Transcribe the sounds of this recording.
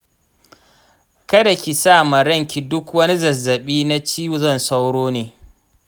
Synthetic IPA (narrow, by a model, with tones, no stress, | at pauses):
kɐ˦da˨kʲi˨saː˦˨ma˨ɽɐ˦˨ŋkʲi˨dʊ˦kwɐ˦ni˦zɐ˨zːɐ˨ɓiː˦na˦t͡ʃiː˦ju˨zɔ˦˨nsa˦wɽoː˦neː˨